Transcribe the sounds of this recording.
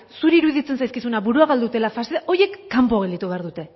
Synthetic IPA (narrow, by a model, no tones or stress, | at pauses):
suɾiːɾuðit͡se̞nsajskisunaβuɾuaβald̪ut̪e̞lafaseʔo̞je̞kːampoɣeld̪it̪uβe̞aɾðut̪e̞